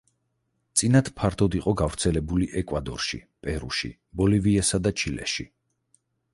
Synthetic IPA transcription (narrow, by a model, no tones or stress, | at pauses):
t̪sʼinat̪pʰaɾt̪ʰɔd̪iqʼɔɡavɾt̪sʰɛlɛbuliʔɛkʼwad̪ɔɾʃḭpʼɛɾṵʃḭ | bɔliviɛsad̪at͡ʃʰilɛ̰ʃḭ